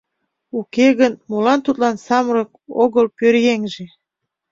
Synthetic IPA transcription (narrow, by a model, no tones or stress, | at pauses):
ukeɣənmulɑnt̪ut̪lɑnsɑmɾɤk̚oɣəlpøɾjeŋʒe